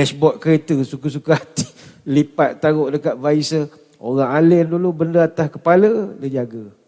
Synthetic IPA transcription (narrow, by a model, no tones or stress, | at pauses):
lɛsbɔt̪̚kəɾet̪əsukəs̬ukaɦat̪ilipat̪̚t̪aɣʊʔdəkat̪̚vaisə | oɾaŋalɪndulubəndəat̪ahkəpalədəd͡ʒaɡa